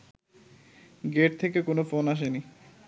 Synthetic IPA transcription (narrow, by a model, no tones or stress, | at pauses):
ɡeʈ̚t̪ʰekekonofonaʃ̬eni